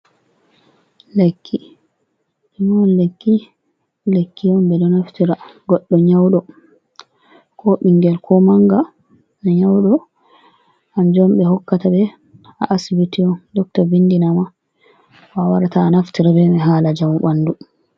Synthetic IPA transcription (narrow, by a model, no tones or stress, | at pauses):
lekʰːi | inɔnlekːi | lekːijɔmbɛdɔnaftiɾaɡɔɗːɔɲawɗɔ | kʰɔɓiŋɡɛlkʰɔmaŋɡa | naɲawɗɔ | ʔand͡ʒɔmɓɛɦɔkːatabɛ | aʔːsibitiɔndɔk̚tabindinama | wawaɾataːnaftiɾabɛmɛɦaːlad͡ʒamuɓanːdu